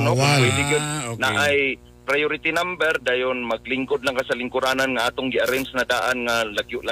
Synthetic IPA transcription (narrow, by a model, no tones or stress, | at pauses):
nowɛd̪ɪɡɪd̪̚naʔʔaj | pɾajoɾɪt̪inambɛɾd̪aːjʊnmɐɡlɪŋkʊd̪laŋkasalɪŋkʊɾaːnanŋaʔaːt̪ʊŋɡɪaɾɛnsnad̪aːʔanŋalaɡjʊʔla